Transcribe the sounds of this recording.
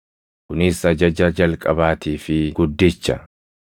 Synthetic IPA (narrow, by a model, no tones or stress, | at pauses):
kʊnɪsɐd͡ʒɐd͡ʒɐd͡ʒɐlkʼɐbaːt̪iːfɪɡ̥ʊd̪ːɪt͡ʃːɐ